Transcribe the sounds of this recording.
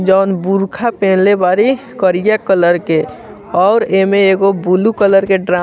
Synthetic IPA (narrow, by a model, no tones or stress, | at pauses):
d͡ʒɔːnbuɾkʰapẽːnlebaːɾi | kəɾijakələɾke | ɔːɾemeeɡobulukələɾkeɖɾa